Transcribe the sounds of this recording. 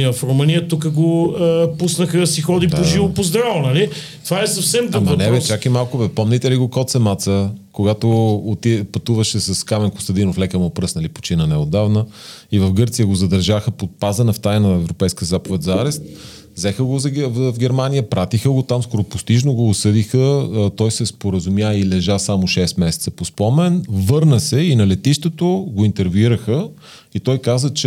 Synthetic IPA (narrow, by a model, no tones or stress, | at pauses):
əfɾoməniət̪uk̬əɡoəpusnəxəsixɔd̪ipoʒivopozd̪ɾavnɐli | t̪ovaɛsɐfsɛmd̪bɐonɛvɛt͡ʃakimalˠkʊvɛpɔmnit̪ɛliɡokɔt̪sɛmat̪səkoɡat̪oːt̪ipɐt̪uvɐʃɛsɐskamɛnkʊ̥st̪ɐd̪inoflɛkəmopɾɤsnɐlipo̥t͡ʃinənɛod̪avnəivəfɡɤɾt̪sijəɡozɐd̪ɐɾʒaxəpot̪̚pazənɐft̪ajnəɛvɾopɛjskiəzapovɛt̪zɐaɾɛst̪ | vzɛxəɡozvɡʲɛɾmanijəpɾat̪ixəɡot̪amskɔɾopʊst̪iʒnoɡoːsɤd̪ixət̪ɔjsɛspoɾəzʊmjailɛʒasamoʃɛst̪mɛsɛt̪səpospɔmɛnvɤɾnəsɛinɐlɛt̪iʃt̪ot̪oɡoint̪ɛɾviɾəxə | it̪ɔjkazət͡ʃɛ